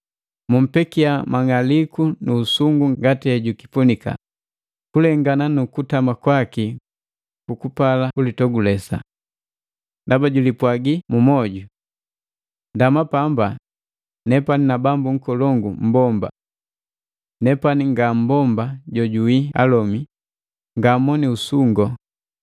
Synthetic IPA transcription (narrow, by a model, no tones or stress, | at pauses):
mum̩pɛkiamaŋalikunuːsuŋɡuŋɡatiɛɟuki̥punika̰ | kulɛŋɡananukutamakwaki | kukupalaulitɔɡulɛsa̰ | ndabaɟulipwaɡimumɔɟu | ndamapamba | nɛpaninabambuŋ̩kɔlɔŋɡum̩bɔmba̰ | nɛpaniŋɡam̩bɔmbaɟɔɟuwia̰lɔmi | ŋɡamɔniusuŋɡɔ